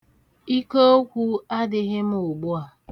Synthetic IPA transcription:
i˦ko˦kʷu˦a˦dɪ˨ɣɪ˦m̩˦ʊ˨ɡ͡bu˦a˨

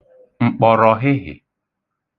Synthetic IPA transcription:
ŋ͡m̩˨k͡pɔ˨ɾɔ˨ɦɪ˦ɦɪ̰˨

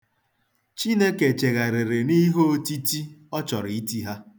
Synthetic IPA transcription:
t͡ʃi˦ne˦ke˨t͡ʃe˨ɣa˨ɾe˨ɾe˨ni˦ɦo˦ti˦ti˦ɔ˦t͡ʃɔ˨ɾi˦ti˦ɦa˦

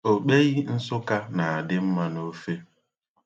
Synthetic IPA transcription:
o˨k͡pe˦ɣi˦n̩˦sʊ˦ka˦na˨a˨dɪ˦m̩˦ma˦no˦fe˦

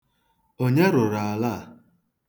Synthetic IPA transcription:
o˦ɲe˦ɾʊ˨ɾa˨a˨la˦˨

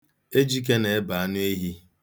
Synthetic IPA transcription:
e˦d͡ʒi˦k̬e˦ne˨e˦ba˨a˦nʊ˦e˦ɦi˦

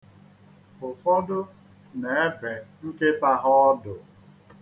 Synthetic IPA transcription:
ʊ˨fɔ˦dʊ˦ | ne˨e˦be˨ŋ̩˦ke˦ta˦ɦʊ˦ɔ˦dʊ˨

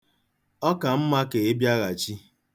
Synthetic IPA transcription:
ɔ˦ka˨m̩˦ma˦ke˨e˦bja˦ɣa˨t͡ʃi˦

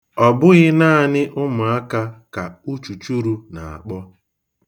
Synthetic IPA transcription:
ɔ˨bʊ˦ɣɪ˦naː˦˨nɪ˦ʔʊ˦mʊ˨a˦ka˦ka˨u˦t͡ʃu˨t͡ʃu˦ɾu˦na˨a̰˨k͡pɔ˦

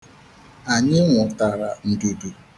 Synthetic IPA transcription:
a˨ɲɪ˦ŋʷʊ˨ta˨ɾa˨n̩˨de˨de˨

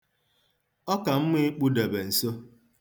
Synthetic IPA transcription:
ɔ˦ka˨m̩˦me˦k͡pu˦de˨be˨n̩˨so˦

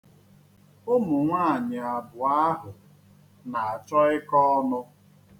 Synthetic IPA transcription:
ʊ˦mʊ˨ŋʷaː˦˨ɲɪ˨a˨bʊ˨a˦ɦʊ˨ | na˨a˨t͡ʃɔ˦ɪ˦kɔ˦nʊ˦

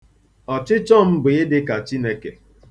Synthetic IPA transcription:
ɔ˨t͡ʃɪ˦t͡ʃɔ˦m̩˦bʊ˨ɪ˦dɪ˦ka˨t͡ʃi˦ne˦ke˨

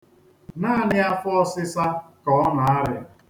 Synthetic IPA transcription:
naː˦˨nɪ˦a˦fɔ˦ɔ˦sɪ˦sa˦kɔ˨˦ɔ˦na˨a˦ɾja̰˨

